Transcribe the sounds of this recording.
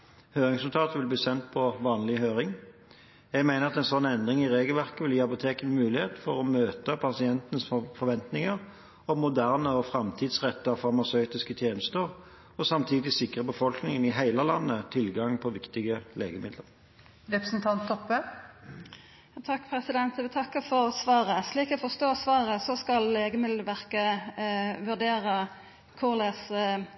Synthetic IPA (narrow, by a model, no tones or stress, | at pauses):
høːʁɪŋsʉlt̪ʰɑːt̪ʋɪlbliːsɛnt̪̚pʰɔʋɑːnlɪhøːʁɪŋ | jɛɡmæɪnəʁɑt̪ɛnsɔnːɛnd̪ʁɪŋɪʁeːɡəlʋæʁkəʋɪljiːɑpʊt̪ʰeːkənmʉːlɪheːt̪fɔʁɔmøːt̪əpʰɑsɪɛnt̪ənəsfɔɾʋɛnt̪nɪŋəʁ | ɔmʊd̪æʁnəɔfʁɑmt̪ʰiːd̪sʁɛt̪ːəɑfɑʁmɑsœʏt̪ɪskət̪ʰjeːnəst̪əʁ | ɔsɑmt̪ʰiːd̪ɪsɪkʁəbəfɔlknɪŋənɪɦæɪləlɑnːət̪ʰɪlɡɑŋpʰɔʋɪkt̪ɪɡəleːɡəmɪd̪ləʁ | ɾɛpɾəsn̩t̪ʰɑnt̪ʰːɔpːə | t̪ʰɑkːpʰɾɛsɪd̪ɛnt̪ʋɪt̪ʰɑkːəfɔʁsʋɑːʁəsliːkɔfɔst̪oːsʋɑːʁəsɔskɑlleːɡəmɪd̪əʋæʁkə | ʋʉʁɖ̪eːɾə | kʰʊʁlɛs